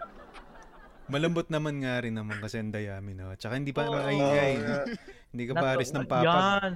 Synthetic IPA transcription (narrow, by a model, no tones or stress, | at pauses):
mɐlɐmbot̪̚nɐmanŋaɾɪnːɐmɐŋkɐsɛɐnd̪ɐjaːmɪnot͡ʃɐkahɪnd̪iːpɐnaʔɐjiŋajhɪnd̪iːkɐppaaɾɪsnɐŋpaːaan